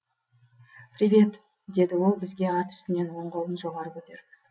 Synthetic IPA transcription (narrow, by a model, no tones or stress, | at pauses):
pɾʲivʲe̞t̪ | d̪e̞d̪ɪwo̞lˠbɪzɡʲe̞ɑt̪ʰʏ̥st̪ɪne̞nwo̞ɴʁolˠənʒo̞ʁɑɾəpɵt̪e̞ɾ